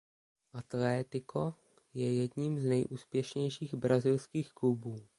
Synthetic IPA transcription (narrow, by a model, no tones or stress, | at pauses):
ʔat̪lɛt̪ɪkʰo | jɛjɛdɲimznɛjʔuːspjɛʃɲɛjʃiːɣbɾazɪlskiːxklubuː